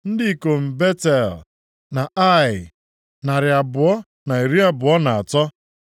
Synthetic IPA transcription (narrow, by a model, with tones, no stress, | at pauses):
n̩˦dɪ˦i˨ko˨m̩˨be˦te˨l | na˨a˦˨ɪ˨ | na˨ɾɪ˨a˨bʊ˨ɔ˦ | na˨i˨ɾi˦a˦bʊ˨ɔ˦na˨a˨tɔ˦